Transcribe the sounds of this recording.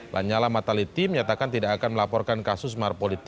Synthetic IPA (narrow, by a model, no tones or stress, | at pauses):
lʔa̰ɲalamat̪alit̪iməɲat̪akant̪idakːkanməlapɔrkankasʊs̬marpolit̪